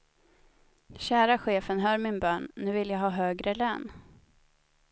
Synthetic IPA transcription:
ɕæːɾaɧeːfənɦœːɾmɪnbœːɳnʉ̟ːvɪljaɡɦɑːɦøːɡɾəløːn

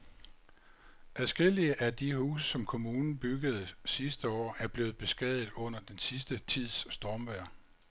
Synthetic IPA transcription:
ʔæðˠsɡ̥e̝l̰iəʔæd̥ihṵːsəsɒ̽mkʰo̝muːnn̩b̥yɡ̥əð̞̩ˠsisd̥əɒ̰ːæɐb̥le̝ːʊð̩ˠb̥e̝sɡ̥ɛð̰ˠð̩ˠɔ̽n̰ɐd̥ensisd̥ət͡sʰið̰ˠsːd̥ɒːmʋæɐ̰

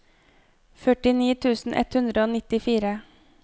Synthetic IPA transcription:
fœʈɪniːt̪ʰʉːsn̩ʔɛ̰t̪hʉnd̪ɾəoːnɪt̪ɪfiːɾə

